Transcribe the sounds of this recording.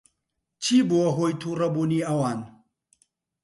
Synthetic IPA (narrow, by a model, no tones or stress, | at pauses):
t͡ʃʰibuɐɦojt̪ʰuɾɐbuniawan